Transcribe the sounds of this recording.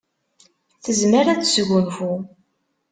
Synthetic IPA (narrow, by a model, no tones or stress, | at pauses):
θəzməɾæθə̥sɣʊnfu